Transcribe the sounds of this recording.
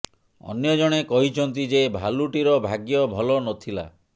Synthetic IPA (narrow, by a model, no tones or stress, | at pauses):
ɔ̰njɔd͡ʒɔɽ̃ekɔɦit͡ʃʰɔnt̪id͡ʒebʱaluʈiɾɔbʱaɡjɔbʱɔlɔnɔt̪ʰila̰